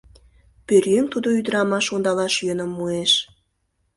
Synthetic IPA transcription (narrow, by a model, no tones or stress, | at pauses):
pørjømt̪ud̪oyd̪ə̆ɾɑmɑʃond̪ɑlɑʃjønə̆mːueʃ